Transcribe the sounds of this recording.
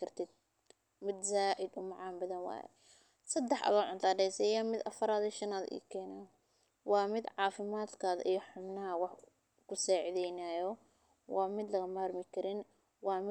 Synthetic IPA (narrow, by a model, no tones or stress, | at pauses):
kʰɐrt̪ʰɪd̪̚ | mɪd̪saːʔɪd̪ʊmɑʕɑːnbɐðɐnwɑ̰ːjɛ̰ | sɐd̪ːɛħʔɐ̰ðɔːʕʊnt̪ʰaːɖɛjsɛjaːmɪd̪ɐfɐɾaːðiʃɐnaːðʔḭːkʰɛːnaː | wɑːmɪd̪ʕɑːfɪmaːd̪kʰaːðɐ̰ʔijɔħʊbnɐɦɐwɑħ | kʰʊsɛːʕɪðɛjnaːjɔ | wɑːmɪd̪lɐɣɐmaːrmɪkʰɐɾɪn | wɑːmɪ